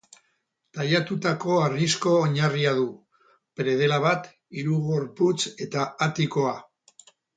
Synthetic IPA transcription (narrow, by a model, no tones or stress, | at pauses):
t̪ajat̪ut̪ako̞arisko̞ːɲariaðu | pɾe̞ð̞e̞laβat̪ | iɾuɣo̞ɾput͡se̞t̪aːt̪iko̞a